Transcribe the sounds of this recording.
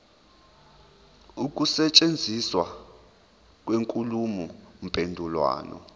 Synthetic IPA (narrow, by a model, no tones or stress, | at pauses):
uk̬ʼusɛt͡ʃʼend͡zʱiswa | k̬ʼweŋkʼulumum̩pʼendʱulwa̰ːnɔ̰